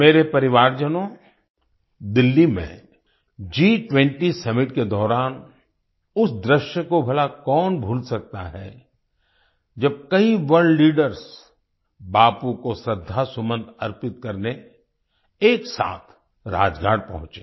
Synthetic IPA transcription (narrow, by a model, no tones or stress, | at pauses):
meːɾepɐɾɪʋaːɾd͡ʒənõ | d̪ɪlːimḛ̃ | d͡ʒiːʈwɛ̃ɳʈisɐmɪʈked̪ɔːɾaːn | ʊsd̪ɾɪʃjəkobʱɐlakɔːnbʱuːlsɐk̚t̪a̰ɦɛ | d͡ʒɐb̚kɐiʋəɾɖliːɖəɾs | baːpukosɾɪd̪ʱːasʊmə̃nd̪ɐɾpɪt̪̚kɐɾne | eːksa̰ːt̪ʰ | ɾa̰ːd͡ʒɡʱaːɽpɐ̰ɦʊ̃t͡ʃeː